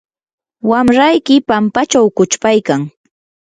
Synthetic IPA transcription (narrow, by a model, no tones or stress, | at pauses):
wamɾajkɪpampat͡ʃawkʊt͡ʃpajkaŋ